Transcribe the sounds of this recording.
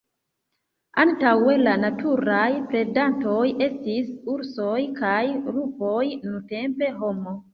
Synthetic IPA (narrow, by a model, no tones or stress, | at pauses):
antawelanatʰuɾajpɾe̞danto̞je̞stisuɾso̞jkajɾupo̞jnute̞mpe̞ɦo̞mo